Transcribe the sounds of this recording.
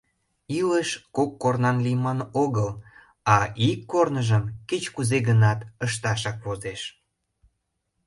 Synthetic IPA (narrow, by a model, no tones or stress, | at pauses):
iləʃkokːornɑnlijmɑnoɣəl | ɑʔikːornəʒəmket͡ɕkuzeɣənɑt̪əʃt̪ɑʃ̬ɑkβozeʃ